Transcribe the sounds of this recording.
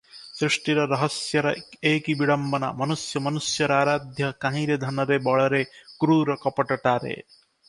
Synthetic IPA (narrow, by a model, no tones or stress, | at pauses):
sɾiʂʈiɾɔɾɔɦɔsjɔɾɔekibiɽɔmbɔna̰mɔnusjɔmɔnusjɔɾaːɾad̪ʱjɔkãɦĩɾed̪ʱɐnɔɾebɔɭɔɾekɾuɾɔkɔpɔʈɔʈaːɾḛ